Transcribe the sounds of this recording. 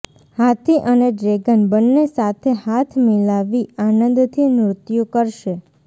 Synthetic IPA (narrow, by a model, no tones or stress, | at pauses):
hat̪ʰiʔəneɖɾeɡənbənːesat̪ʰehat̪ʰmilaʋianənd̪t̪ʰimɾʊt̪jukəɾʃe